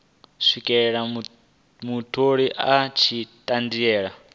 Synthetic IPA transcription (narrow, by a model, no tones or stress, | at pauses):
sʷikʼɛɺa | mutʰoɺiʔat͡ʃʰitʼandiɛːɺa